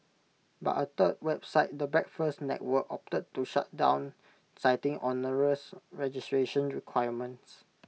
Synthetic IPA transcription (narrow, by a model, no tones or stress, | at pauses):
ba̰ʔət̪əd̚wɛbsaɪt̚dəbɹɛk̚fəsnɛ̰t̚wəkɔp̚tət̚tːuʃa̰t̚dã̰w̃n | saɪtɪ̃ŋʔɔnəɹəsɹɛd͡ʒistɹeʃə̃nɹikʰwaɪəmə̃nts